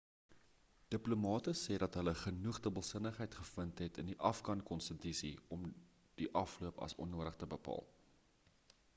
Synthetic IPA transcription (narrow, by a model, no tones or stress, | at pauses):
d̥əplumɑːtəsɛːdɐtɦələχənuχdəbəlˠsənəχɦəjtχəfəntɦɛtəndiʔɐfkɐnkɔnstətisiɔm | d̥iʔɐfluəpɐ̰sɔ̰nːuəɾəχtəbəpɑ̰ːlˠ